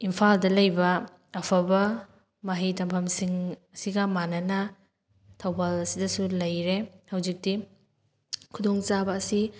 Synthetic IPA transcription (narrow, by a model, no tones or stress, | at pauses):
impʰaldɐlɐjbɐː | pʰɐbɐ | mɐɦitɐmpʰɐmsiŋɐsiɡɐmanɐnɐ | tʰɐwbalɐsidɐsulɐjɾehɐwzik̚di | kʰudɔŋt͡ʃabɐːsi